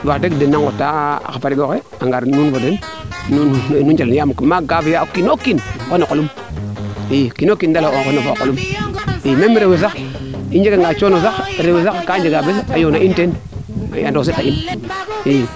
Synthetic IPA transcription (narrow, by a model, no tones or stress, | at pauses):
wadekdenːaŋotːa̰kafaɾiɡoke | aŋɡaɾnunfodenː | unnud͡ʒalenjammaɡafijakinokinkonokolum | ikinokːindalooxonofokolumimemiɾewesaxind͡ʒekaŋɡat͡ʃonosakɾewesakkand͡ʒeɡabesajonaʔinten | ja̰ndos̬etain | i